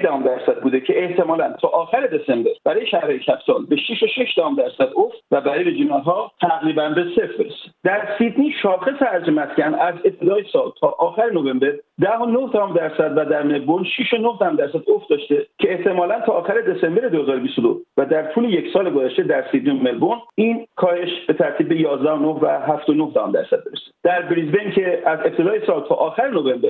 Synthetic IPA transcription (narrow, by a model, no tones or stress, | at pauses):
d̪æhumd̪æɾsæd̪̚buːd̪ecʰe̞ːht̪ʰe̞mɒːlænt̪ʰɒːʔɒːxæɾed̪e̞sembe̞ɾb̥æɾɒːjeʃæhɾejecʲʰæfsɒːlbe̞ʃiʃoʃeʃd̪æhɔmd̪æɾsæd̪oft̪væbæɾiːjbed͡ʒinɒt̪ɦɒːt̪ʰæɣɾiːbænbesefbeɾese̥d̪æɾsid̪niːʃɒːxe̞seæɾd͡ʒemæscænæze̞p̚t̪ʰe̞d̪ɒːjesɒːlt̪ʰɒːʔɒːxæɾenove̞mbeɾd̪æɦonohd̪æhɔːmd̪æɾsæd̪væd̪æɾme̞lbonʃiʃonohd̪æhmd̪æɾsæd̪ofd̪ɒːʃt̪e̞cʰe̞ːht̪ʰemɒːlænt̪ʰɒːxæɾe̞d̪ese̞mbeɾed̪ohe̞zɒːɾobist̪od̪ovæd̪æɾt̪ʰuːle̞jecʰsɒːleɡozæʃt̪ed̪æɾsid̪niomelboniːnkʰɒːhe̞ʃb̥e̞t̪ʰæɾt̪ʰiːbːe̞jɒːzd̪æhonohvæɦæft̪onohd̪æhɒ̰md̪æ̰ɾsæd̪̚be̞ɾese̥d̪̥æɾbɾizbejncʲʰe̞æze̞p̚t̪ʰe̞d̪ɒːjesɒːlt̪ʰɒːʔɒːxæɾenovembeɾ